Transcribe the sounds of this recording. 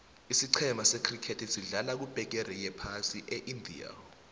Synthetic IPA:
isiǀʰɛmʱasekʰrikʰetʰisiɮalak̬ub̥ʱɛk̬ɛɾɛjɛpʰasiʔɛʔindʱḭa̰

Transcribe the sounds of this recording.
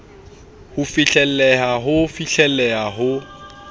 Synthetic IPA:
hʊfɪɬɛlɛɦaɦʊfiɬɛlɛɦaɦʊ

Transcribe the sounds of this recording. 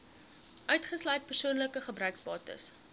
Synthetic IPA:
ʔœɥtχəslœjt̚pərsuənləkəχəbrœɥksbɑːtə̰s

